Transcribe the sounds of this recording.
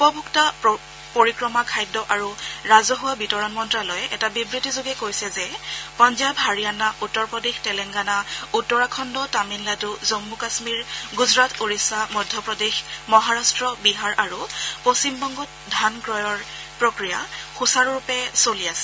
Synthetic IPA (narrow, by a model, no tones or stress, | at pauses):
upɔbʱukta | poɹikɹɔmakʰajdːɔʔaɹuɹazɔɦuwabitɔɹɔnmɔntɹalɔjʔɛtabibɹitizoɡɛkojsɛzɛpɔnzabɦaɹijanaʔutːɔɹpɹɔdextɛlɛŋɡanautːɔɹakʰɔndɔtaminladuzomːukasmiɹɡuzɹatʰoɹisamɔdʱjɔpɹɔdexmɔɦaɹastɹɔbiɦaɹaɹupost͡ʃimbɔŋɡɔt̚ | dʱanɡɹɔjɔɹ | pɹokɹijaxusaɹɹupɛsoliasɛ̥